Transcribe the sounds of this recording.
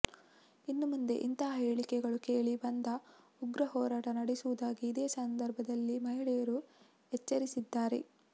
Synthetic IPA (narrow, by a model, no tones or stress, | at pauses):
inːumund̪e̞̰ʔint̪ɐɦɐɦeːɭikɛɡɐɭukeːɭibɐnd̪ɐ | uɡɾɐɦɔːɾaːʈɐnɐɽesuʋud̪aːɡiːd̪eːsɐnd̪ɐɾbʱɐd̪ɐlːimɐɦiɭɛjɐɾu | et͡ʃːɐɾisid̪ːaːɾe̞̰